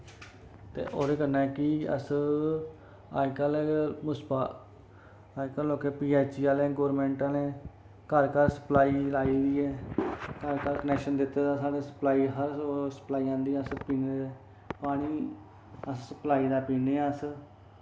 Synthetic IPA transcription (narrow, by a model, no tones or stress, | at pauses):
t̪ḛːʔoːɾeːkənːãːɛːkɪə̰s | a̰ːikəleːmʊspaː | aːkəloːkeːpiːaːt͡ʃiːaːlẽːɡoːɾmẽːɳʈãːnẽː | kəɾkəɾsə̥plaːiːlaːiːd̪iːɛːkəɾkəɾkənɛːkʃənd̪ɪt̪ːeːd̪aːsaːɽeːsə̥plaːiːɦəɾsə̥plaːiːãːnd̪iːəspiːned̪ɛː | paːɽ̃iː | əssəplaːiːd̪aːpiːneːəs